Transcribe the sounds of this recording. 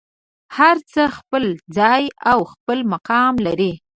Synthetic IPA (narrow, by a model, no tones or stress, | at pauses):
haɾt͡səxpəld͡zɑjawxpəlmaqɑmlaɾi